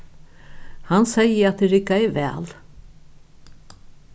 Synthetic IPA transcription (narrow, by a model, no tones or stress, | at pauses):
hansɛjəat̪̚d̪ɪɾɪkːaɛvɛ̰ːl